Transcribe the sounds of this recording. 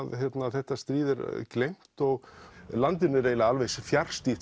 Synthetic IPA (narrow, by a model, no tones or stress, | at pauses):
ðçjɛt̪naθɛht̪ːast̪ɾiːðɛɾklejm̥t̪ɔɣlant̪̬ɪnɪɾeːjlaalvejsfjaɾ̥st̪i